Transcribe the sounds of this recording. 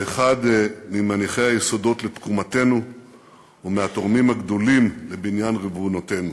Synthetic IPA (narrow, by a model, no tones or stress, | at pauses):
eχad̪mimaniχehajeso̞do̞tle̞t̪kumate̞nu | umeat̪o̞ʁmimhaɡd̪o̞limlebinjanʁivunote̞nu